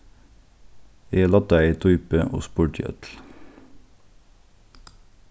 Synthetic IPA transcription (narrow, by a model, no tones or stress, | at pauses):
eːlɑt̪əæɪiːt̪ʰʊʏpəʔo̰ːspʊːʈḭːʔœ̰t̪l̩